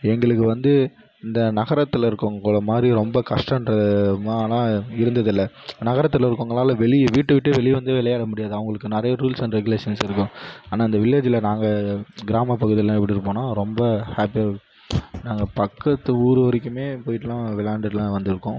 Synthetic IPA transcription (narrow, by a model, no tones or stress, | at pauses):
ɛŋɡɐɭɯkːɯʋɐnd̪ɯ | ɪnd̪ɐnɐɣɐɾɐt̪ːɯlɪɾɯkːõŋɡɭɐmaːd̪ɾiɾɔmbɐkɐʂʈɐnɾɐmaːlãːɪɾɯnd̪ɐðɪlːɐ | nɐɣɐɾɐt̪ːɯlɪɾɯkːoːŋɡɐɭaːlɐʋɛɭɪʋiːʈːɯʋɪʈːɯʋɛɭɪʋɐnd̪ɯʋɪlɐjaːɽɐmʊɽɪjaːðɯɐʋɐŋɡɐɭɯkːɯnɪɾɐjɐɾuːlsɛnɾɛɣʊleːʂɐnsɪɾɯkːʊ̃aːnaːɪnd̪ɐʋɪɭjaːt͡ʃːɪlɐnaːŋɡɐɡɪɾaːmɐpɐɣɯðɪjlãːɛp̬ːɐɽiɾɯpːoːnãːɾɔmbɐhaːpija | naːŋɡɐpɐkːɐt̪ːɯuːɾɯʋɐɾɪkːɯmeːpoːjɪʈːɐlãːʋɪlaːɳɖɯʈːlãːʋɐnd̪ɪɾɯkːʊ̃